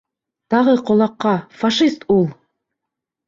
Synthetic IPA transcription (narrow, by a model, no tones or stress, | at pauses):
t̪ɑʁɤqŏlˠɑqːɑfaʃist̪ulˠ